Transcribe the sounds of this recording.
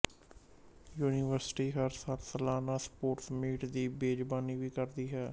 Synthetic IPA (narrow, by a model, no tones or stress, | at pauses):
juːniːʋəɾsʈiːɦəɾsaːlsəlaːnaːspoːɾsmiːʈd̪iːbeːd͡ʒbaːniːʋiːkəɾd̪iːɦɛː